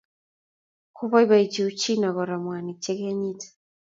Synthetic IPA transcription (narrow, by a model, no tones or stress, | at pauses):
kuβaiβait͡ʃiut͡ʃinaɣɔɾamwanit͡ʃɛɣɛɲitḁ